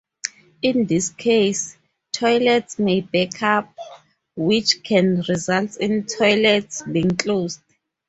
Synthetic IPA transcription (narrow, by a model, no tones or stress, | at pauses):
ĩndiskʰejs | tʰɔjlɛtsmejbɛkʰap̚ | wit͡ʃʰkʰɛ̃nɹizaltĩntʰɔjlɛtsbiĩŋklosd